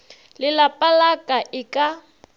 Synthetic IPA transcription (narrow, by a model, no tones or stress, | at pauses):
lɪlapʼalakʼaʔɪkʼa